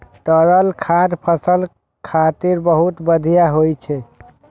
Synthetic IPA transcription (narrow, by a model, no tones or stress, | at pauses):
t̪əɾəlkʰad̪pʰəsəl | kʰat̪iɾbəɦut̪bəd̪ʱijaɦojt͡ʃʰɛ